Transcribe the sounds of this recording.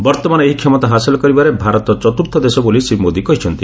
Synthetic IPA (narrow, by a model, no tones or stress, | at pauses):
bɔɾt̪ɔmanɔeɦikʰjɔmɔt̪aɦasilɔkɔɾibaɾebʱaɾɔt̪ɔt͡ʃɔt̪uɾt̪ʰɔd̪esɔbolisibmod̪ikɔɦit͡ʃʰɔnt̪i